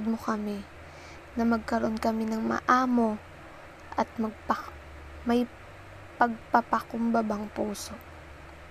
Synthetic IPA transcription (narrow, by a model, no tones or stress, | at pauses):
d̪̚mokɐmɪ | nɐmɐɡ̚kɐɾoʔonkɐmɪnɐŋmɐ̰ʔaːmo̞ | ʔɐt̪̚mɐɡ̚pɐ | mɐj | pɐɡ̚pɐpɐkʊmbɐbaŋpuːso̞ʔ